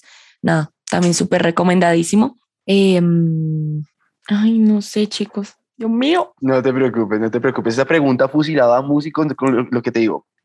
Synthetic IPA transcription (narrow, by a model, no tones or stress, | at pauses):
naða | t̪ambje̞nsupeɾre̞ko̞mẽnd̪aðisimo̞ | em | ajno̞se̞t͡ʃiko̞s | omionot̪e̞pɾeokupenot̪epɾeokupe̞sesapɾe̞ɣunt̪afus̬ilaðamus̬ikokoloke̞t̪e̞ðiɣo̰